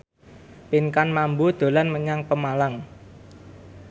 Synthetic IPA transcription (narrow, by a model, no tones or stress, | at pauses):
piŋkanmambud̪̥o̤lanməɲaŋpəmalaŋ